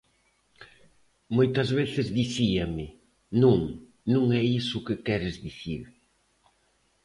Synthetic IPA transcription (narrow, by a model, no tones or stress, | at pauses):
mojt̪ɐzβeθɪzðiθiɐmɪ | nũŋ | nũŋɛisʊkɪkɛɾɪzðiθiɾ